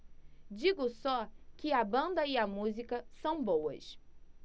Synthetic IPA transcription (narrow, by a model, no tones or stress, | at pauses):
d͡ʒiɡʊsɔkɪɐbɐ̃nd̪ɐɪɐmuzikɐsɐ̃w̃bowɐ̰s